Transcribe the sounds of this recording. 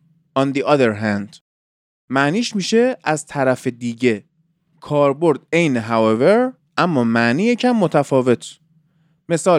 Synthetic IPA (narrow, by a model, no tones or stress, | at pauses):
ɒnd̪iʔɒðeɾɦænd̪̥ | mæniːʃmiːʃe̞ʔæzt̪ʰæɾæfed̪iːɟe̞ | kʰɒːɾbo̞ɾd̪̚e̞jneɦæweveɾ | ʔæmːɒːmæʔniːjecʰæmːot̪ʰæfɒːve̞t̪ʰ | me̞sɒː